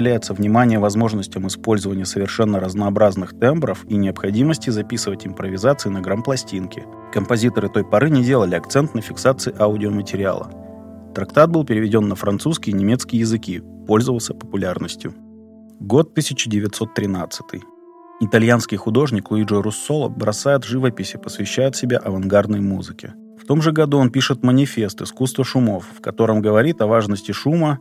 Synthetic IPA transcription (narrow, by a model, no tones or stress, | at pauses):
ɪlʲæjɪt̪səvnʲɪmanʲɪjəvɐzmo̞ʐnəsʲtʲɪmɪspo̞lʲzəvənʲɪjəsəvʲɪrʂɛnːəɾəznəɐːbɾaznɨxt̪ɛmbɾəfinʲɪɐpxɐdʲiməsʲtʲɪzɐpʲisɨvətʲɪmpɾəvʲɪzat̪sɨɪnəɡɾanplˠɐsʲtʲinkʲɪ̰ | kəmpɐzʲit̪əɾɨt̪o̞jpɐɾɨnʲɪdʲe̞lˠəlʲɪɐkt̪sɛnt̪nəfʲɪksat̪sɨɪʔaʊdʲɪomətʲɪɾʲɪa̰lˠə̰ | t̪ɾɐkt̪at̪̚bɨlˠpʲɪɾʲɪvʲɪdʲo̞nːəfɾɐnt̪suskʲɪjənʲɪmʲet̪skʲɪjəjɪzɨkʲipo̞lʲzəvəlˠsʲəpə̥pʊlʲarnəsʲtʲjʊ̰ | ɡo̞t̪ːɨsʲɪt͡ɕɪdʲɪvʲɪt̪so̞t̪ːɾʲɪnat̪sɨ̥t̪ɨ̰j | ɪt̪ɐlʲjanskʲɪjxʊd̪o̞ʐnʲɪklˠʊiʐəɾʊsːo̞lˠə̰bɾɐsajɪt̪ʐɨvəpʲɪsʲɪpəsvʲɪɕːæjʊt̪sʲɪbʲaʔɐvɐnɡard̪nəjmuzɨkʲɪ̰ | ft̪o̞mʐɨɡɐd̪uo̞npʲiʂɨt̪mənʲɪfʲe̞st̪ɨskust̪vəʂʊmo̞fːkɐt̪o̞ɾəmɡəvɐɾʲit̪ɐvaʐnəsʲtʲɪʂumə